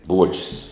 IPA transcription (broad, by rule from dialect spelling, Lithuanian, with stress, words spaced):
ˈbuɔt͡ʃʲʊs